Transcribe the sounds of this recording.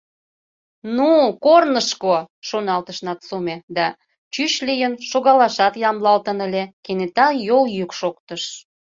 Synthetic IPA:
nukornəʃkoʃonɑlt̪əʃnɑt̪sumed̪ɑ | t͡ɕyɕlijənʃoɣɑlɑʃɑt̪jɑmlɑlt̪ənə̆lʲekenet̪ɑjoljykʃokt̪əʃ

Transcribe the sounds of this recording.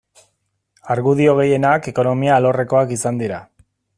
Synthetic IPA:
aɾɣuðio̞ɣ̞e̞je̞nake̞ko̞no̞miaːlo̞re̞ko̞akisand̪iɾa

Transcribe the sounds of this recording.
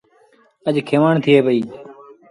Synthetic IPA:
əd͡ʒkʰeːʋaːɳt̪ʰɪeːbəiː

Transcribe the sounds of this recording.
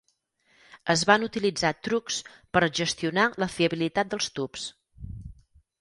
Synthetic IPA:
əzβanut̪ilid͡zat̪ɾukspəɾʒəst̪iunaləfiəβilit̪at̪̚d̪əlˠst̪ups

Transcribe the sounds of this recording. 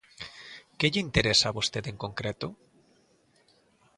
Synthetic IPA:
keʎeint̪eɾesaβost̪et̪eŋkõŋkɾet̪o

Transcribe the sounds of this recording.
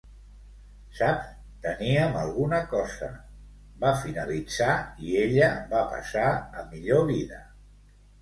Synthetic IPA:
sap | t̪əniəməlˠɣunəkɔzə̰ | bafinəlid͡zaieʎəβapə̰saəmiʎoβiðə̰

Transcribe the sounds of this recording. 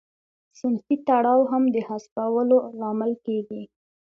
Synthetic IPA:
sɪnfit̪aɽɑwɦamd̪əhaspawəlolɑmɪlkeɡi

